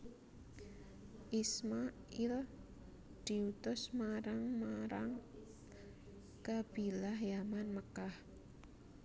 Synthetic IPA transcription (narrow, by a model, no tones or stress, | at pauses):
ʔismaʔil | d̪̥i̤ut̪ʊsmaɾaŋmaɾaŋ | kab̥i̤lahjamanməkah